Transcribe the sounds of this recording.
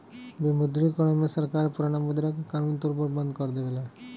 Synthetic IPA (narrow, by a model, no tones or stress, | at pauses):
bimud̪ɾikɔɭɔmesəɾkaɾpuɾaɽ̃amud̪ɾakakaɾunt̪uɾbəɾbənd̪kɔɾd̪eʋla